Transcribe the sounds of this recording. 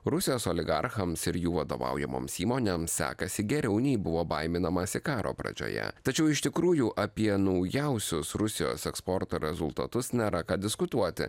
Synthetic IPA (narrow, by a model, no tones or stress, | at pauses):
ɾʊsʲɪjoːsoːlʲɪɡɐ̰ɾxɐmsɪɾjuːʋɐd̪o̰ːʋɑ̰ˑʊjɛmo̰ːmsiːmoːnʲemsːʲæ̰ːkɐsʲɪɡʲɛɾʲɛʊnʲɛɪbʊʋoːbɐɪmʲɪnɐmɐsʲɪkɑːɾo̰ːpɾɐ̰d͡ʒʲo̰ːjɛ̰t̪ɐt͡ʃʲɛʊɪʃʲt̪ʲɪkɾuːjuːʔɐpʲiɛnɒʊjɛʊsʲʊsɾʊsʲɪjo̰ːsɛkspɔɾt̪oːɾʲɛzʊlˠt̪ɐt̪ʊsnʲɛɾɐkɑːd̪ʲɪskʊt̪uɔt̪ʲɪ̰